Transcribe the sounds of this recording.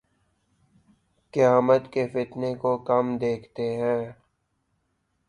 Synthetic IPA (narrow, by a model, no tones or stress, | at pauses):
kɪjaːmət̪kefɪt̪nekokɐmd̪eːkʰt̪eɦɛ̃ː